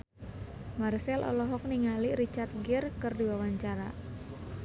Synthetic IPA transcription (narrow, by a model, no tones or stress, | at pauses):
marsɛlʔɔ̰lɔɦɔk̚niŋalirit͡ʃart̪̚ɡɪrkɨrdiwawaɲt͡ʃaɾa